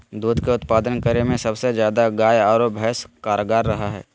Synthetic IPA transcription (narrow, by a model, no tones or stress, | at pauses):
d̪uːd̪keʊt̪paːd̪ənkəɾemẽsɐbsezjaːd̪aɡaːjaːɾoːbʱɛːskaːɾəɡaːɾːɐɦaɦɛ̰ː